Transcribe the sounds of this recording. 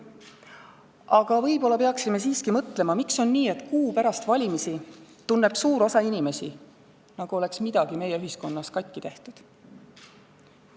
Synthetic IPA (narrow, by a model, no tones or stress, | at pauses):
ɑɡ̥ɑvɤjbo̞lːɑpe̞ɑksimes̬iːskimɤt̪ˑle̞mɑmikso̞nːiːe̞t̪ˑkuːpæɾɑst̪vɑlʲimisit̪unːe̞b̥suːɾo̞sɑinime̞si | nɑɡ̥uo̞le̞ksmid̪̥ɑɡ̥ime̞jeyɦisko̞nːɑskɑjk̪ːit̪e̞ht̪ud̪̥